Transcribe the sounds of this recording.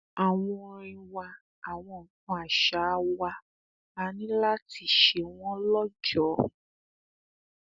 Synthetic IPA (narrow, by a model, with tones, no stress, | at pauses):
a˨w̃ɔ̃˧ɾ̃ĩ˧wa˧ | a˨w̃ɔ̃˧˨kũ˧a˨ʃa˨˦wa˧ | a˨˧nĩ˦la˦ti˦˨ʃe˨˦w̃ɔ̃˦lɔ˦d͡ʒɔ˨˦